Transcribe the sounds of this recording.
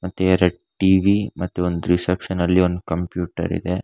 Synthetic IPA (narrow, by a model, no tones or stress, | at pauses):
mɐt̪ːueɾɐ | ʈiːʋimɐt̪ːuond̪uɾisepʂɐnɐlːio̞nd̪ukɐmpjuːʈɐ̰ɾḭd̪e̞